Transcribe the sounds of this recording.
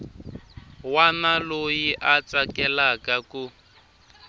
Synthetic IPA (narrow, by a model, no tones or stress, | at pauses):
wanalojiʔat͡sakɛlakaku